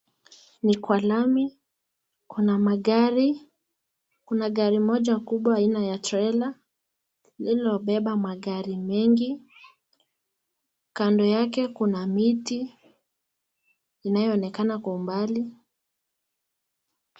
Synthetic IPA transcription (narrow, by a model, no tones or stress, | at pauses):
nikwalami | kunamaɠaɾi | kunaɠaɾimɔʄakuɓwaːinajatɾɛla | lilɔɓɛɓamaɠaɾimɛŋɡi | kandɔjakɛkunamiti | najɔːnɛkanakwaumbali